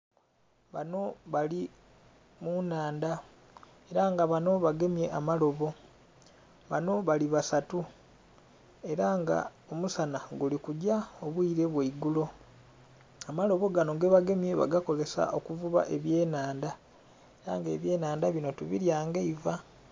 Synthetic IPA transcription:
βano̞βali | munaːnda | e̞ɾaŋɡaβano̞βaɡe̞mje̞ʔamalo̞βo̞ | βano̞βaliβasatu | e̞ɾaŋɡa̰omusanaɡulikuɟaoβwiːɾe̞βweiɡulo̞ | amalo̞βo̞ɡanoɡe̞βaɡe̞mje̞βa̰ɡako̞ze̞sa̰ʔo̞kuvuβa̰ʔe̞βje̞ːnaːnda | eɾaŋɡe̞ːβje̞ːnaːndaβino̞tuβḭɾjaːŋɡeiva

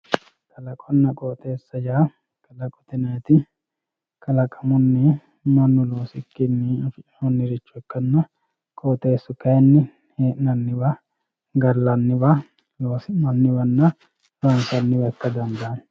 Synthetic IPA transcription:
kʰʼɐlɐkʼɔnːɐkʼoːt̪eːsːɐd͡ʒaː | kʼɐlɐkʼɔ̥t̪ɪnɐjt̪ɪ | kʰʼɐlɐkʼɐmʊnːɛ | mɐnːʊloːsɪkːɪnːɪɐfɪt͡ʃʼnɔnːɪɾɪt͡ʃːɔɛkːɐnːɐ | kʼoːt̪ʼe̞ːsːʊkːɐjɛnːɪ | heːʔnɐnːɪbɐ | ɡɐɾlɐnːɪbɐ | loːsɪmɐnːɪbɐnːɐ | lɔnkɐnːɪbɐɛkːɐd̪ɐnd̪ɐn

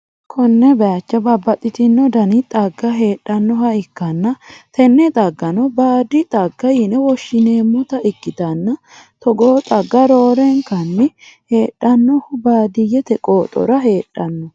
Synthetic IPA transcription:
kʰɔnːɛbɛat͡ʃːɐbɐbːɐt̪ʼɪt̪ɪnːɔd̪ɐnɪt̪ʼɐɡːɐɦe̞ːᶑːɐnːɔhɐɪkːɐnːɐt̪ɛnːɛt̪ʼɐɡːɐnɔbaːd̪ɪt̪ʼɐɡːɐjɪnɛwɔʃːɪneːmːʊt̪ɐʔɪkːɪt̪ɐnːɐ | t̪ɔɡoːt̪ʼɐɡːɐɾoːɾɛŋkɐnːɪhe̞ːᶑːɐnːɔhʊbaːd̪ɪjɛt̪ɛkʼoːt̪ʼɔ̰ɾɐɦe̞ːᶑːɐnːɔ

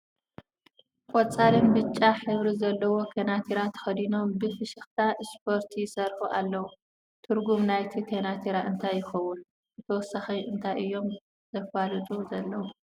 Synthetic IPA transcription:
kʼɔt͡sʼalɨmbɨt͡ʃʼːaħɨβɾizɐlːɐwo̞kʰenat̪ʰiɾat̪ʰɐ̥xɐd̪ino̞mbɨfɨʃɨxt̪ʰaʔɨspʰoɾt̪ʰijsɐɾħuʔa̰lːɐwu | t̪ʰɨɾɡumnajt̪ʰikʰenat̪ʰiɾaʔɨnt̪ʰajːɪxɐwun | ɨt̪ʰɐwɔsaxɐjʔɨnt̪ʰajʔɨjːo̞m | z̥ɐfalɨt̪ʼuzɐlːɐwu

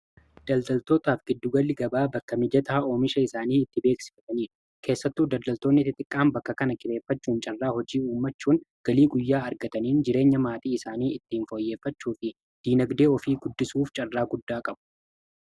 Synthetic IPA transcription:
d̪̥ɐld̪ɐlt̪o̞ːt̪aːfɡ̥ɪd̪ːʊɡɐlːɪɡɐbaːbɐkːɐmɪd͡ʒɐt̪aʔoːmɪʃɐɪsaːniːɪt̪ːɪbe̞ːksɪ̥fɐt̪ɐniːɾ | kʰe̞ːsːɐt̪ːuːd̪ɐld̪ɐlt̪o̞ːnːɪt̪ɪt̪ʼɪkʼːaːmbɐkːɐkɐnɐkʼɪɾe̞ːfːɐt͡ʃːuːnt͡ʃʼɐrːaːɦɔd͡ʒiːuːmːɐt͡ʃːuːnɡ̥ɐliːɡʊjːaːɐɾɡɐt̪ɐniːnd͡ʒɪɾe̞ːɲːɐmaːt̪iːɪsaːniːʔɪt̪ːɪːnfo̞ːjːe̞ːfːɐt͡ʃːuːfɪ | d̪̥iːnɐɡd̪e̞ːɔfiːɡʊd̪ːɪsuːft͡ʃʼɐrːaːɡʊd̪ːaːkʼɐb̥ʊ̥

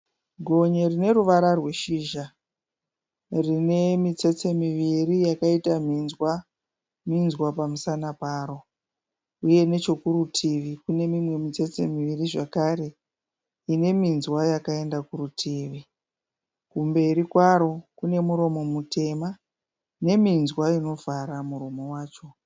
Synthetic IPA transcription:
ɡʱo̞ɲerine̞ruʋaɾarwe̞ʃiːʒa | rine̞mit͡se̞t͡se̞miʋirijakaitam̤inzwa | minzwapamusanapaːɾo̞ | uje̞ne̞t͡ʃo̞kuɾutʰiʋikune̞mimwe̞mit͡se̞t͡se̞̰miʋiriʐakaɾe̞ | ine̞minzwajakae̞ndakurutʰiʋi | kumbe̞ɾikwaɾo̞kune̞muɾo̞mo̞mutʰe̞ma | ne̞minzwaino̞vaɾamuɾo̞mo̞waːt͡ʃo̞

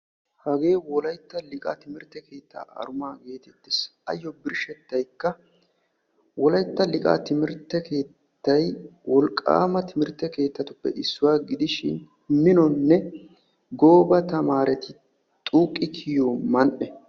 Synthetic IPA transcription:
hɐɡe̞ːwɔlɐjt̪ːɐlɪkʼa̰t̪ɪmɪɾt̪ːɛke̞ːt̪ːa̰ːʔɐ̰ɾʊmaːɡe̞ːt̪ɛt̪ːɪsɐ̰jːɔbɪɾʃɛt̪ːɐjkːɐ | wɔlɐjt̪ːɐlɪkʼa̰ːt̪ɪmɪɾt̪ːɛke̞ː | t̪ːɐjwɔlkʼːa̰ːmɐt̪ɪmɪɾt̪ːɛke̞ːt̪ːɐt̪ʊpːɛ̰ʔɪsːʊwaːɡɪd̪ɪʃɪ̰n | mɪnɔnːɛ | ɡo̞ːbɐt̪ɐmaːɾɛt̪ɪ | t̪ʼuːkʼːɪkʰɪjomɐnʔɛ

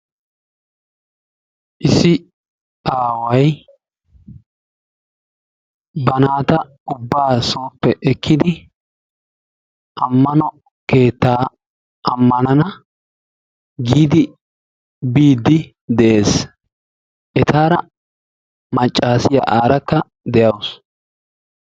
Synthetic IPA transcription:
ʔɪsɪ | aːwɐj | bɐnaːt̪ɐ | ʊbːaːsoːpːɛʔɛkʰːɪd̪ɪ | ʔɐmːɐnɔ | ke̞ːt̪ːaː | ʔɐmːɐnɐnɐ | ɡiːd̪ɪ | biːd̪ːɪ | d̪ɛʔe̞ːs | ʔɛt̪aːɾɐ | mɐt͡ʃʼːaːsɪjɐ̰ʔaːɾɐkːɐ | d̪ɛjɐws

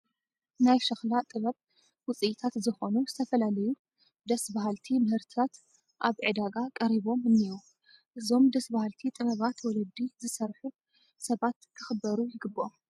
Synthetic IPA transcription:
najʃɐxlat̪ʼɨβɐβ | wʊt͡sʼɨʔt̪ʰat̪zɨxo̞nuzɨt̪ʰɐfɐlalɐju | d̪ɐsbaɦalt̪ʰimɨhɨɾt̪ʰɨt̪ʰat̪ | ʔaβʕɨd̪aɡakʼɐɾiβo̞mɨnːiu | ʔɨzo̞md̪ɐsbahalt̪ʰit̪ʼɨβɐβat̪wɔlɐd̪ːizɨsɐɾħu | sɐβat̪kʰɨxɨbːɐɾujɪɡɨbːoʔom

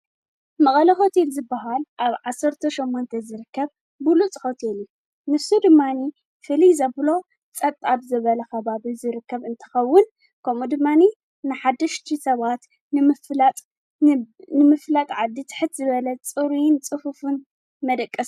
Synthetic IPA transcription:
mɐχʼɐlɐxo̞t̪ʰelzɨbːaɦalʔaβʕasɐɾt̪ʰɐʃomːont̪ʰɐzɨɾɨkːɐβ | bɨlut͡sʼhot̪ʰelju | nɨfsud̪ɨmːani | fɨlizɐblo̞ | t͡sʼɐt̪ʼabzɨβɐlɐxɐβaβizɨɾɨkːɐβɨnt̪ʰɐ̥xɐwːʊn | kʰɐmud̪ɨmːani | nɨħad̪ːɐʃt̪ʰisɐβat̪ | nɨmflt̪ʼ | nɨmɨflat̪ʼʕad̪ːit̪ʰɨ̥ħɨt̪zɨβɐlɐt͡sʼɨɾint͡sʼɨfufɨn | mɐd̪ɐkʼːɐs

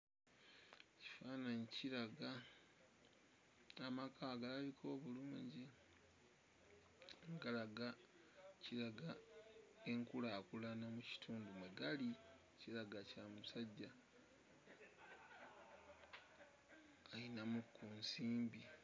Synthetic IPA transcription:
ci̥faːnaɲiciɾaɡa | amakʰaβaɡalaβikʰo̞ːβuluɲɟi | ŋɡalaɡa | ciɾaɡa | e̞ŋkulaːkulanamuci̥tʰuːndumweɡali | ciɾaɡacamusaɟːa | ajinamukːuːnsiːmbi

